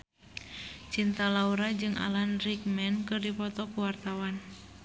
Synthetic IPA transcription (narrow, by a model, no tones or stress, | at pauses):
t͡ʃint̪alauɾad͡ʒɨŋʔa̰lanrik̚mɛnkɨrdipɔt̪ɔkuwart̪awan